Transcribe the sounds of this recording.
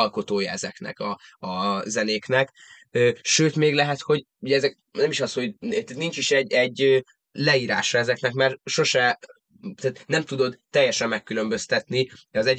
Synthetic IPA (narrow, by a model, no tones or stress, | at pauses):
ɒlko̞t̪oːjɒɛzɛknɛ̰kɒɒzɛneːknɛk | øːʃøːt̪meːɡlɛɦɛt̪ho̞ɟ | uɟɛɛzɛk | nɛmiʃɒshot̪ɛt̪nint͡ʃiʃɛɟɛɟːøː | lɛiːɾa̰ːʃɒɛzɛknɛkmɛrʃo̞ʃɛ | t̪ːt̪nɛmt̪ud̪o̞d̪ːɛjːɛʃɛmːɛkːylø̞mbø̞st̪ɛt̪niɒzɛɟ